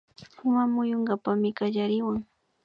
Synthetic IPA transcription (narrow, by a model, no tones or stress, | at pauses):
ʊmamʊjoŋɡapamɪkaʎaɾɪwaŋ